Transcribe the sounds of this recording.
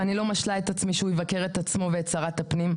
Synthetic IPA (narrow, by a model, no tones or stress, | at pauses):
anilo̞maʃlae̞t̪at͡smiʃeujevakeʁet̪at͡smo̞veːt͡saʁat̪apnim